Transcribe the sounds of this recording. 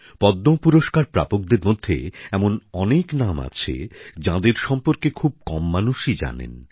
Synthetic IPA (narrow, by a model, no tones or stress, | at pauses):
pɔd̪ːopuɾoʃkaɾpɾa̰pok̚d̪eɾmod̪ʱːḛɛmonɔneknama̰t͡ɕʰḛd͡ʑãd̪eɾʃɔmpoɾkekʰub̚kɔmːanuʃid͡ʑa̰nḛn